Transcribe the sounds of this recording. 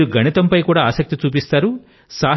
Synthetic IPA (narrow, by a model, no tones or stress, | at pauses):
ɾuɡʱɐnit̪ɐmpɐjkuːɽaːaːsɐk̚t̪it͡ʃuːp̬ist̪aːɾu | saː